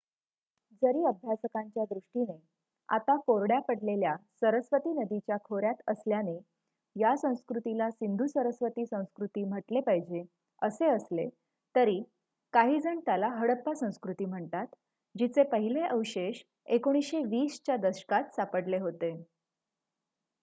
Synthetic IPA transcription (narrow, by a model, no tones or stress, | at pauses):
d͡zəɾiːəbʱjasəkaɲt͡ɕjad̪ɾuʂʈine | a̰t̪apoɾɽjapəɽleljasəɾəsʋət̪iːnəd̪it͡ɕjakʰoɾjat̪əsljane | jasə̃w̃skɾut̪ilasind̪ʱusəɾəsʋət̪iːsə̃w̃skɾut̪iːm̤əʈlepaɦid͡ʑe | əseəsle | t̪əɾi | kaɦiːd͡zʱəɳt̪jalaɦəɽəpːasə̃w̃skɾut̪iːm̤əɳt̪at̪ | d͡ʑit͡sepəɦileʔəwɕeɕ | ekoɽ̃isɕeʋiːst͡ɕjad̪əɕə̥kat̪sapəɽleɦot̪e